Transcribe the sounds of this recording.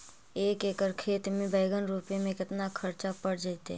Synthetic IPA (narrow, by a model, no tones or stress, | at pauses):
eːkeːkəɾkʰeːt̪mẽbʱəɪɡənɾuːpimẽkɪt̪nakʰɐɾt͡ʃapəɽd͡ʒaːt̪ḛ